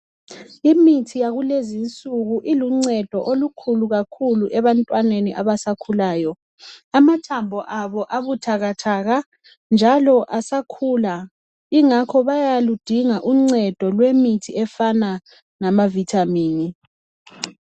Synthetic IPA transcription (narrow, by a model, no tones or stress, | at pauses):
imitʰijaɣulezint͡sʼuɣuʔiluŋ͡ǀɛd̥ʱɔʔolukʰuluɣakʰuluʔɛβantʼwaneniʔaβasakʰulaːjɔ | amatʰambʱɔʔaβɔʔaβutʰaɣatʰaːɣa | nd͡ʒʱalɔʔasakʰuːla | iŋakʰɔβajalud̥ʱiŋaʔuŋ͡ǀɛd̥ʱɔlwemitʰiɛfana | namavitʰamiːni